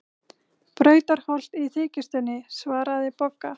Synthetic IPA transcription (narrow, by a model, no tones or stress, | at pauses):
pɾœːɥt̪aɾ̥hɔl̥t̪iθɪːcɪst̪ʏnːɪsvaːɾaðɪpɔkːa